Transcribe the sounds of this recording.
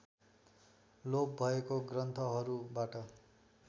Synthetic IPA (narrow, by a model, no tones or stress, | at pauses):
lob̚bʱʌekoɡrʌnt̪ʰʌɦʌɾubaʈʌ